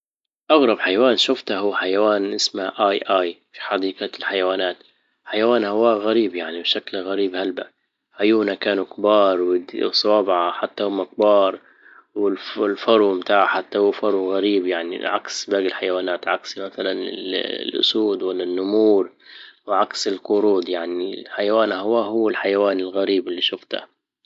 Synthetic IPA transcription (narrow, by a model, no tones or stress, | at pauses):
ʔaɣɾˤɑbħajawaːnʃʊft̪ahuːħajawaːnʔɪsmaʔajʔaːjfi̥ħɑd̪iːqalħajawaːnaːt̪ | ħajawaːnhawaːɣaɾiːbjaʕnibʃaklɣaɾiːbhalba | ħajuːnakaːnukbɑːɾˤwɪd̪sˤɑwɑːbʕaħat̪ːahʊmːɪk̚bɑːɾˤ | wɪlɪlfɑɾˤumt̪aːʕħat̪ːahuːfɑɾˤuɣaɾiːbjaʕnḭʕa̰ksbaːɡɪlħajawaːnaːt̪ʕaksmaθalanɪ̰llʔʊ̰suːd̪wɪlːanːʊmuːɾwɪʕaksɪlqʊɾuːd̪jaʕniħajawaːnhawaːhʊwːɪlħajawaːnɪlɣaɾiːbɪlːiːʃʊft̪a̰